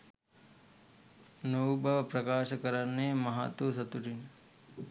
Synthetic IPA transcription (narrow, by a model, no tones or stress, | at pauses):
nowbʱɐʋpɾɐkaːʃɐkɐɾɐnːemɐɦa̰ːt̪ʋusɐt̪uʈin